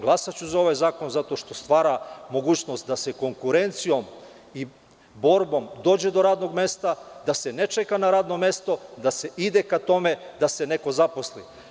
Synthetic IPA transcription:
ɡlˠasat͡ɕuzao̞ʋajzaːko̞nzat̪o̞ʃt̪o̞st̪ʋaːɾamo̞ɡuːt͡ɕno̞st̪d̪ase̞ko̞ŋkuɾe̞nt̪sijo̞m | i | bo̞ɾbo̞md̪oːd͡ʑe̞d̪o̞ɾaːd̪no̞ɡme̞st̪ad̪ase̞net͡ʃekanaɾaːd̪no̞me̞st̪o̞d̪ase̞ʔid̪ekat̪o̞me̞d̪ase̞ne̞ko̞zapo̞slḭ

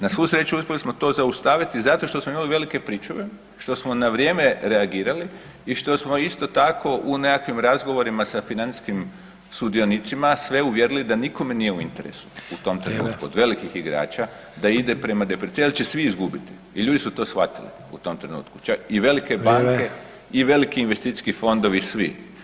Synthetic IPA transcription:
nasʋusɾe̞t͡ɕuuspʲjelismo̞t̪o̞ːzaust̪aːʋit̪izat̪o̞ʃt̪o̞smoimaliʋe̞likepɾiːt͡ʃuʋe | ʃt̪o̞smo̞naʋɾʲje̞ːme̞ɾe̞aɡiːɾali | iʃt̪o̞smo̞ist̪o̞t̪akʰo̞ʔune̞kakʋimɾazɡo̞ʋo̞ɾimasafinant̪skim | sud̪io̞nit̪simasʋe̞uʋje̞ɾilid̪aniko̞me̞nijeuint̪e̞ɾḛsu̥ut̪o̞mt̪ɾenṵːt̪kuod̪ʋe̞likixiɡɾa̰ːt͡ʃa | d̪aid̪e̞pɾe̞mad̪epet̪sʲielt͡ʃesʋiizɡubit̪i̥ | iʎuːd̪isut̪o̞ːsxʋa̰t̪ilḭ | ut̪o̞mt̪ɾe̞nṵːt̪ku̥t͡ʃakiʋe̞like̞baŋŋke̞ | iʋe̞likiinʋest̪it̪si̥skifo̞nd̪o̞ʋisʋḭ

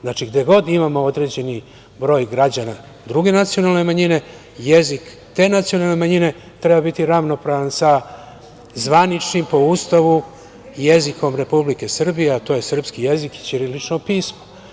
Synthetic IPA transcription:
znaːt͡ʃiɡd̪eɡo̞d̪imamo̞o̞d̪ɾe̞d͡ʑe̞ni | bɾo̞ːjɡɾad͡ʑana | d̪ɾuɡe̞nat̪sijo̞nalne̞maɲine̞ | jezik | t̪e̞ːnat̪sijo̞nalˠne̞maɲine̞ | t̪ɾe̞babit̪iɾaʋno̞pɾaʋansa | zʋanit͡ʃnimpo̞ust̪aʋu | jeziko̞mɾe̞publike̞sr̩bijeat̪o̞je̞sr̩pskijeziki̥t͡ɕiɾilit͡ʃnopiːsmo

